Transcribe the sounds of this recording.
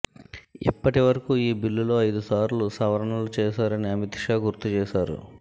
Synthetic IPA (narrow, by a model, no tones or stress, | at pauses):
ḭpːɐʈiʋɐɾɐkuiːbilːulo̞ːɐjd̪usaːɾlusɐʋɐɾɐɳɐlut͡ʃɛːʃaːɾɐniɐmit̪iʂaːɡuɾt̪ut͡ʃɛːʃaːɾṵ